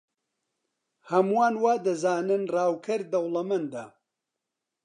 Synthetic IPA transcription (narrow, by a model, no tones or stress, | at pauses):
hɐmuwaːnwaːd̪ɐzaːnɨnraːwkʰɐɾd̪ɐwlˠɐmɐnd̪aː